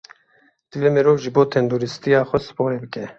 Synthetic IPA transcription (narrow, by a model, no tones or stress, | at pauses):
d̪̥ɨvemeɾoːvʒɨboːt̪ʰɛnd̪oɾist̪ijɑːxʷɔsɨ̥poːɾeːbɨkɛ